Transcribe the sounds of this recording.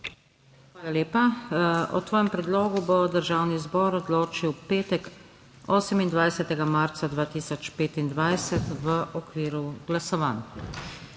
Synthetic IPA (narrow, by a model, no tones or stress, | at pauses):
xʋaːlaleːpaɔ̰t̪ʋɔːjɛmpɾɛd̪loːɡubod̪əɾʒaːwnizbɔːɾɔd̪loːt͡ʃiwpeːt̪ɛk | oːsɛmind̪ʋajsɛt̪ɛɡamaɾt̪sad̪ʋaːt̪iːsɔt͡ʃpeːt̪ind̪ʋajsɛt̪ʋəʔɔkʋiːɾuɡlasɔʋaːn